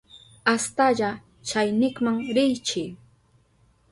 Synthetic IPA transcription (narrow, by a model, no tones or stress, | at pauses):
ast̪aʎa | t͡ʃajnɪkmaŋɾɪjt͡ʃɪ